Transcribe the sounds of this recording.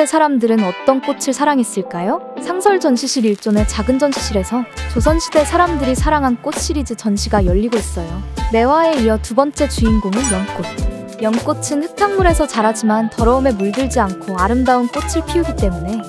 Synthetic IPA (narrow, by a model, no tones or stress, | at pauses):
esʰaɾamdɯɾɯnʌt͈ʌnk͈ot͡ɕʰɯɭsʰaɾaŋes͈ɯɭk͈ajosʰaŋsʰʌɭd͡ʑʌnɕʰiɕ͈ʰiɾiɭt͡ɕ͈one̞t͡ɕaɡɯnd͡ʑʌnɕʰi̥ɕ͈ʰiɾe̞sʰʌt͡ɕosʰʌnɕʰide̞sʰaɾamdɯɾisʰaɾaŋɦank͈ot͡ɕʰiɾid͡ʑɯt͡ɕʌnɕʰiɡajʌʎːiɡois͈ʌjone̞wae̞iʌtubʌnt͡ɕ͈e̞t͡ɕuinɡuŋɯnjʌnk͈ot̚ | jʌnk͈ot͡ɕʰɯnhɯtʰaŋmuɾe̞sʰʌt͡ɕaɾɦad͡ʑimantʌɾʌume̞muɭdɯɭd͡ʑiankʰoaɾɯmdaunk͈ot͡ɕʰɯɭpʰiuɡit͈e̞mune̞